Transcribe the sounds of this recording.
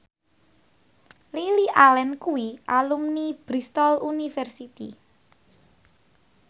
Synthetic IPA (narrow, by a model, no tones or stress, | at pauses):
liliʔalɛnkuwiʔalumnib̥ɾist̪ɔlunifɛrsit̪ḭ